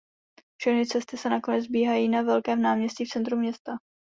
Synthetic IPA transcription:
fʃɛxnɪt͡sɛst̪ɪsɛnako̞nɛd͡zbiːɦajiːnavɛlkɛːmnaːmɲɛsciːft͡sɛnt̪ɾumːɲɛst̪a

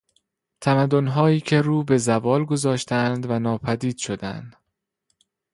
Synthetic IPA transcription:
t̪ʰæmæd̪ːonɦɒːiːcʰe̞ɾuːbe̞zævɒːlɡo̞zɒːʃt̪ʰænd̪vænɒːpʰæd̪iːd̪̥ʃo̞d̪æ̰nd̪̥

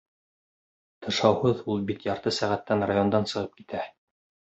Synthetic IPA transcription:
t̪ɤ̆ʃɑwhɤðulˠbit̪jɑɾt̪ɤsæʁæt̪ːænrajo̞nd̪ɑnsɤ̆ʁɤp̚kit̪æ

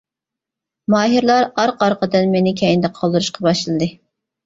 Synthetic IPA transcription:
mɑːɦiɾlˠɑɾɑɾqɑɾqəd̪ɨnmɪnɪkʲʰɛjind̪ɛqʰɑlˠd̪ɨɾuʃqʰɑbɑʃlˠɨd̪ɨ

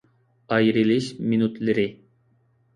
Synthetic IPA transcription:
ɑjɾilɪʃminut̪lɪɾɪ

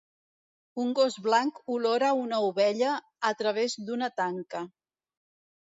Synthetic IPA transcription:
uŋɡozβlaŋkuloɾəunəuβɛʎəː | t̪ɾəβ̞ezd̪unət̪aŋkə

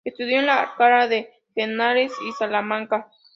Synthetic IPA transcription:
est̪uðjonla̰ːɾkaɾaðe | fenaɾesisalamaŋka

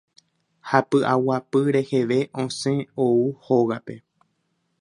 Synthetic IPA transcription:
hapɨʔawapɨɾe̞heʋe̞ʔõ̞sẽ̞ouho̞ɣape̞

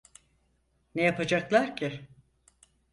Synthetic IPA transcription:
nejapʰad͡ʒaklˠaɾcʰɪ

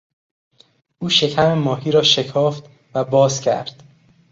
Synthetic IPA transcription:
ʔuːʃe̞cʰæmemɒːɦiːɾɒːʃe̞kʰɒːft̪ | væbɒːzcʰæ̰ɾd̪̥

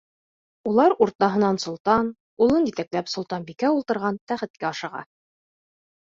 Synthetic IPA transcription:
ulˠɑɾuɾt̪ɑɦɤ̆nɑnsŏlˠt̪ɑn | ulˠɤnjit̪æklæpsŏlˠt̪ɑnbikæulˠt̪ɤ̆ɾʁɑnt̪æχɘ̆t̪̚kæɑʃɤ̆ʁɑ̰

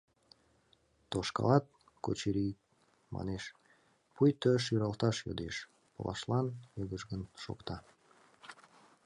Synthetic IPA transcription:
t̪oʃkɑ̰lɑt̪̚ | kot͡ɕiɾik̚ | mɑ̰neʃ | pujt̪øʃ̬jyɾɑlt̪ɑʃjo̰d̪eʃ | pə̰lʔɑ̰ʃlɑnjəɡəʒɡənʃo̰kt̪ɑ

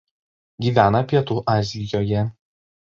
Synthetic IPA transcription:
ɡʲiːʋʲæːnɐpʲiɛt̪uːʔɑːzʲɪjoːjɛ

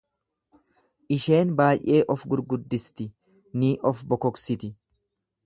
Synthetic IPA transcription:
ʔɪʃe̞ːnbaːjʔe̞ːʔɔfɡʊɾɡʊd̪ːɪst̪ɪ | niːʔɔfbɔkɔksɪt̪ɪ

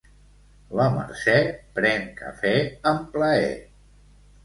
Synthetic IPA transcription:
ləmə̰ɾsɛpɾɛŋkə̰fɛəmpləɛ̰

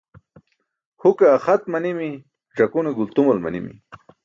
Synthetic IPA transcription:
hukaːxat̪̚manimi | ʈ͡ʂakuneɡult̪umolma̰nḭmḭ

